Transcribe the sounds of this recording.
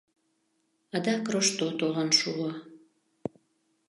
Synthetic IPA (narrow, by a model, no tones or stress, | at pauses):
ɑd̪ɑkroʃt̪ot̪olənʃuɑ